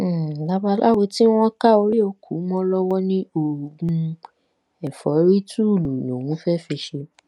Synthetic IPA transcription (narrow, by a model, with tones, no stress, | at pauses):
la˦ba˧˦lʔa˦we˧ti˦w̃ɔ̃˦ka˦o˧ɾi˦o˧kʰu˨˦mɔ̃˦lɔ˦wɔ˦nĩ˦o˨ɡũ˧ | ɛ˨fɔ˨˦ɾi˦tu˦˨lu˨lo˨wũ˨˦fɛ˦˨fi˧ʃe˧